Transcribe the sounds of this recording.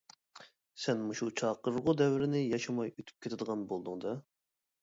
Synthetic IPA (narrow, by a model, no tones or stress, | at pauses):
sɛnmuʃut͡ʃʰɑːqəɾʁʊd̪ɛwɪɾɪnɪjɑʃɑmɑjøt̪ʰy̥p̚kʲet̪ʰɪd̪əʁɑnbolˠd̪ʊŋd̪ɑ